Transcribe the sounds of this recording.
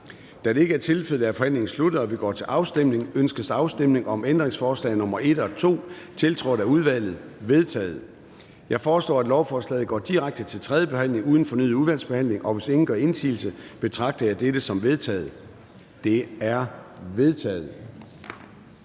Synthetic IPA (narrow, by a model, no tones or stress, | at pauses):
d̥æd̥e̝e̝ɡəæɐt͡sʰe̝lføð̩ˠæɐfɒ̽hæn̰le̝ŋn̩slud̥ð̩ˠɒʋiɡ̥ɒ̰ːt͡sʰe̝ʔɑ̈ʊsd̥emne̝ŋønsɡ̥əsɑ̈ʊsd̥emne̝ŋɒ̽mend̥ʁeŋsfɒːslɛ̰ɪnɔ̽mɐe̝d̥ɒ̽t͡sʰo̝̰ːt͡sʰe̝lt͡sʰʁɒ̰d̥æuð̞ˠʋæl̰ð̞̩ˠʋe̝ð̞ˠt͡sʰɛ̰ːð̞̩ˠ | jɑ̈ɪfɒːslɔ̰ːæd̥lɒʊfɒːslɛ̰ːð̩ɡɒ̰ːd̥iʁaɡ̥̚d̥ət͡sʰe̝lt͡sʰʁɛðˠjəb̥e̝hæn̰le̝ŋuð̞ˠn̩fɒ̽ny̰ð̩ˠuðˠʋæl̰sb̥e̝hæn̰le̝ŋʔɒ̽ʋe̝se̝ŋn̩ɡ̥ɶɐe̝nsʰḭːl̩səb̥e̝t͡sʰʁɑ̈ɡ̥̚d̥ɐjɑ̈ɪd̥eɾ̥əsɒ̽mʋe̝ð̞ˠt͡sʰɛ̰ːð̩ˠ | d̥e̝æɐʋe̝ð̞ˠt͡sʰɛ̰ːð̩ˠ